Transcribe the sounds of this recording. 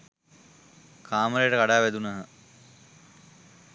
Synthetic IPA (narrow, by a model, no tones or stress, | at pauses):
kʰaːməɾejəʈəkaɽaːʋæd̪unɐɦə